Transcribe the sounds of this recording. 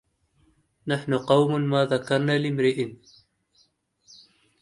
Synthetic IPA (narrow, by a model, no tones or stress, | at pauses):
naħnʊqɑwmmaːðakɑɾˤnaːlɪmɾɪʔn